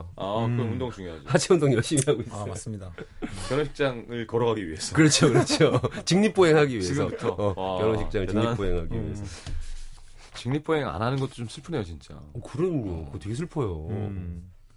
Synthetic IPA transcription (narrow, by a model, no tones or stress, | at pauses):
akɯɾʌmundoŋt͡ɕuŋjoɦad͡ʑiat͡ɕʰeundoŋjʌɭɕ͈imiɦaɡois͈as͈ɯmɲidakjʌnʌɕʰi̥k̚t͡ɕ͈aŋɯɭkʌɾʌɡaɡiɥie̞sʰʌkɯɾʌt͡ɕʰokɯɾʌt͡ɕʰot͡ɕɯŋɲip͈oɦeŋɦaɡiɥiisʰʌutʰʌʌjʌnoɕʰik̚t͡ɕ͈aŋɯɭt͡ɕiŋɲipp͈oɦeŋɦaɡiɥiesʰ | t͡ɕiŋɲip͈ʰoɦeŋa̰nɦanɯnɡʌt͈o̥t͡ɕomsʰɯɭpʰɯnɦe̞jot͡ɕint͡ɕ͈a̰ʌkɯɾʌnokɯte̞ɡesʰɯɭpʰʌjo